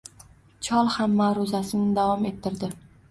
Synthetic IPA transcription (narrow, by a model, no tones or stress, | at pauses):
t͡ʃʰɒlˠhamːaɾʊzasɪnɪd̪avɒme̞t̪ʰːɪɾd̪ɪ